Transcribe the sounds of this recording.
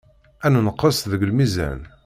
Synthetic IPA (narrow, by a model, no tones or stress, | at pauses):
ænnəqːəsðəɡəlmizæ̰n